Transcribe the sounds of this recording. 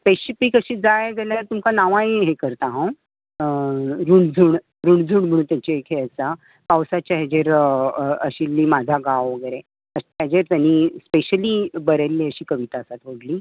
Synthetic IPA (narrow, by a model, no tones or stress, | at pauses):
peɕipikəɕiːd͡zajd͡zaljaɾt̪umkanaʋãiɦekəɾt̪aɦãw | ɾuɳd͡zʱuːɳ | ɾuɳd͡zʱuːɳm̤əɽ̃unt̪jat͡ɕiekʰɦeət͡sa | pawsat͡ɕaɦed͡ʑeɾ | əɕilːiːmad͡zʱaɡawʋəɡəɾe | əɕtad͡ʑeɾt̪janːispeɕəlibəɾelːiəɕiːkəʋit̪aəsat̪ʋoɽliː